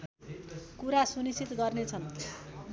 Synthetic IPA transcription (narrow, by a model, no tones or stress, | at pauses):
kuɾasunisit̪ɡʌrnet͡sʰʌn